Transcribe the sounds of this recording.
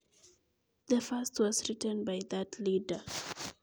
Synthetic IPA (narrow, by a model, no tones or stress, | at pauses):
ðəfastʰwɔsɹitə̃nbajðatʰlidə